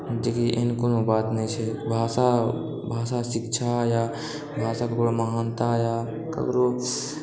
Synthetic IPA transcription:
d͡ʒekiʔɪnkonõbaːt̪net͡ʃʰebʱaːsa | bʱaːsaːsɪkt͡ʃʰaːjaː | bʱaːsakəkɽoːməɦaːnt̪aːjaː | kə̰kɾoː

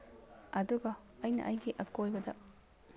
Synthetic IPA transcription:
ɐd̪uɡɐːjnɐ̰ʔɐjɡiʔɐkojbɐd̪ɐ

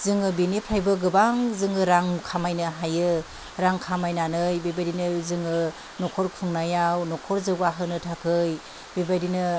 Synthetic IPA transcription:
zɯŋɯbinepʰɾajbɯɡɯbaŋzɯŋɯɾaŋkʰamajnɯɦajɯ | ɾaŋkʰamajnanɯjbebajdinɯzɯŋɯ | nɔkʰɔɾkʰɯŋnajawnɔkʰɔɾzɯɡaɦɯnɯtʰakʰɯj | bebajdinɯ

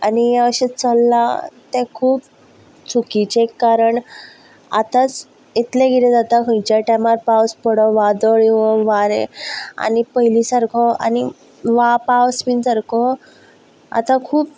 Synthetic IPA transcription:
aniaəɕet͡səlːat̪ẽkʰuːb | t͡sʰukit͡ɕekːaɾəɳ | a̰t̪at͡s | it̪lẽɡiɾẽd͡zat̪akʰə̃jt͡ɕaʈɛmaɾpawspəɽɔʋad̪ɔɭiɦɔʋaɾḛa̰nipəɦilisəɾkʰɔa̰ni | ʋapawspinsəɾkʰɔ | a̰t̪ãkʰuːp̚

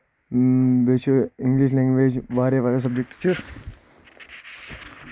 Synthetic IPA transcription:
beːt͡ʃʰuɪ̃ŋɡliʃ̬lẽːŋɡʋeːd͡ʒbaːɾebaːɾes̬ɐb̚d͡ʒek̚ʈt͡ʃʰu

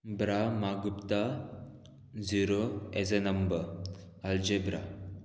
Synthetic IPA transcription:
bɾamaɡupt̪a | d͡ziɾoed͡zenɐmbə | ɐld͡ʑebɾa̰

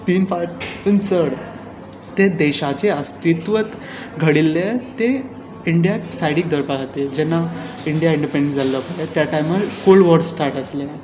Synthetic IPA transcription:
t̪iːnfaʈənsəɽ | t̪ed̪eɕat͡ɕeəst̪it̪ʋət̪ | ɡʱəɽilːet̪e | iɳɖijasajɽik̚d̪əɾpaɡʱat̪ed͡ʑɛnːa | iɳɖijaĩɳɖipẽɳɖẽʈd͡zaləpəlet̪jaʈajmalkolʋəɾssʈaɾʈəsle

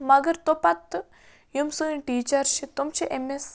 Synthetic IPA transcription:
mɐɡɐɾt̪opɐt̪ː | jumsunĩʈiːt͡ʃɐɾʃʰit̪umt͡ʃʰiʔemes

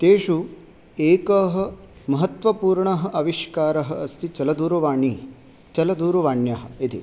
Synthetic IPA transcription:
t̪eːʃu | eːkɐɦɐ̆ | mɐɦɐt̪ʋɐpuːɾɳɐɦɐ̆ʔɐʋiʃkaːɾɐɦɐ̆ɐst̪ʰit͡ʃɐlɐd̪uːɾuʋaːɳi | t͡ʃɐlɐd̪uːɾuʋaːɳjɐɦɐ̆it̪ʰi

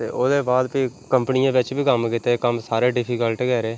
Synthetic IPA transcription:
t̪ḛːʔoːd̪eːbaːd̪piːkəmpnijãːʋɪt͡ʃbʱiːkəmkɪt̪ekəmsaːɾeːɖɪpʰiːkəlʈkɛːɾeː

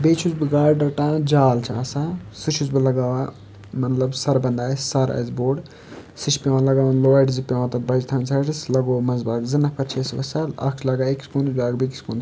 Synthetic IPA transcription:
beːt͡ʃʰuzbɨɡaːɽɖɐʈãːd͡ʒaːlt͡ʃʰiɐsãsut͡ʃʰuzbɨlɐɡaːʋã | mɐt̪lɐbsɐɾbɐnd̪aːsɐɾɐ̰zboːɖ | sɨt͡ʃʰpʲewãːlɐɡaːwãnloʋaʈzipʲewãt̪ɐbɐd͡ʒt̪ʰɐ̃ːnsʰɐʈislɐɡoːmɐzbaːɡzɨnɐpʰɐɾt͡ʃʰeːsʋɐsɐlɐ̰kʰt͡ʃʰlɐɡaːekskunzbaːɡbiki̥skuːn

